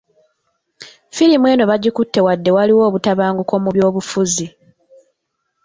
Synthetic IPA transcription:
filimwe̞ːno̞βaɟikutːe̞wadːe̞waliwo̞ːβutaβaːŋɡuko̞muβjo̞ːβufuzi

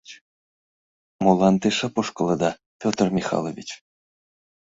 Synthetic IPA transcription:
molˠɑnt̪ɨʃapoʂkɤlˠɤ̆d̪ɑ | pʲot̪ərmʲixɑ̰lˠovʲit͡ɕ

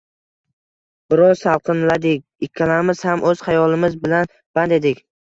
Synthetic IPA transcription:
b̥ɪɾɒzsalˠqʰɨnlad̪ɪkʲɪkʲʰːalaɾmɪz̥hamʔɵz̥hajɒlˠɪmɪzbɪlan | b̥and̪ed̪ɪkʲ

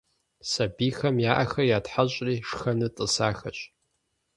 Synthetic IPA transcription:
sabixɐmjaːʔaxɐjatħaɕʷʼriːʂxɐnɨtʼɨsaːxɐt͡ʃʷʼ

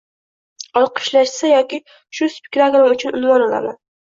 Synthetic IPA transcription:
ɒlˠqʰɨ̥ʃlaʃsajɒkʲɪ | ʃʊspʲɪ̥kt̪aɡɾamʊt͡ʃʰʊnʊnvɒnɒla̰man

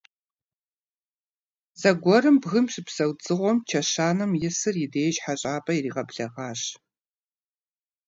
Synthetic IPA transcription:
zɐɡʷɔɾɨmbɣɨmɕɪpsɐwt͡sʼɨʁʷɔmt͡ʃʰɐɕaːnɐmjɪsɨrjɪdeːjʒħaɕʼaːpʼɐiriːʁɐpɬɐʁɑːɕ

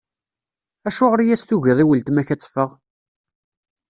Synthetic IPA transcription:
æʃʊʁəɾjæsθuʝiðˤiwəlt̪mæçæt͡sːfəʁ

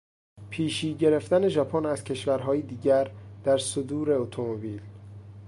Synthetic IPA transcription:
pʰiːʃiːɟe̞ɾeft̪æne̞ʒɒpʰonæz̥cʰe̞ʃvæɾɦɒːjid̪iːɟæɾd̪̥æɾsod̪uːɾe̞ot̪ʰomobiːl

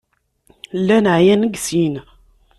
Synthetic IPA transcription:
lːænəʕjænəɡsin

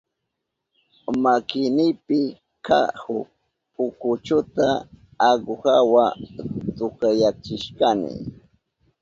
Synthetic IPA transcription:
makɪnɪpɪ | kʰahʊ | pʊkʊt͡ʃʊt̪aː | ɢʊhawat̪ʊkajat͡ʃɪʃkanɪ̰

